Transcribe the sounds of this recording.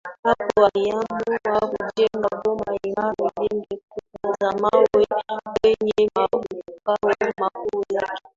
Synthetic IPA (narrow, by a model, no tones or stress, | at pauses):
apowajamuwakud͡ʒɛŋɡabɔmajimamiliŋɡikukuzamawebɛɲɛmaukawɛmakujake